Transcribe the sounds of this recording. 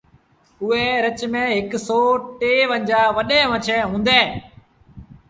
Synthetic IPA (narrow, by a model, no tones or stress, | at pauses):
ʊɦeːɾət͡ʃmẽːɦɪksoːʈeːʋəɲd͡ʑaːʋəɗẽːʋət͡ʃʰeɦũːnd̪eː